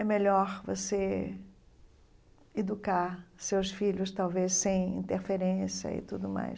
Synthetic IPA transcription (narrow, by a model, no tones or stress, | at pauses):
ɛmeʎɔɾvo̰se | ed̪ukaɾsewsfiʎʊst̪awvessẽj̃ḭ̃nt̪eɾfeɾẽsjɐ̰ɪ̰t̪ud̪ʊma̰js